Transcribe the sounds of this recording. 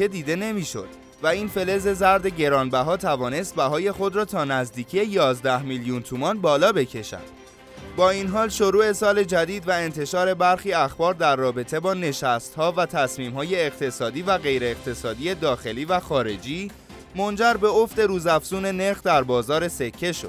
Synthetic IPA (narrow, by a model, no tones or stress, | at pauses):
e̞d̪iːd̪e̞ne̞miːʃo̞̰d̪̥ | væiːnfe̞le̞ze̞zæɾd̪e̞ɟe̞ɾɒːnbæɦɒːt̪ʰævɒːne̞st̪̚bæɦɒːje̞xo̞d̪ɾɒːt̪ʰɒːnæzd̪iːcʰije̞jɒːzd̪æhmiljunt̪ʰumɒnbɒːlɒːbe̞cʰe̞ʃæ̰nd̪̥ | bɒːinɦɒːlʃo̞ɾuːe̞sɒːle̞d͡ʒæd̪iːd̪væe̞nt̪ʰe̞ʃɒːɾe̞bæɾxiːæxbɒːɾd̪æɾːɒːbe̞t̪ʰe̞bɒːne̞ʃæst̪hɒːvæt̪ʰæsmiːmɦɒːje̞ːqt̪ʰe̞sɒːd̪iːvæɣe̞jɾeeɣt̪ʰe̞sɒːd̪iːe̞d̪ɒːxe̞liːvæxɒːɾe̞d͡ʒiː | mond͡ʒæɾbe̞o̞fd̪e̞ɾuːzæfz̥uːne̞neɾxd̪æɾbɒːzɒːɾe̞se̞cʰːe̞ʃo̞d̪̥̚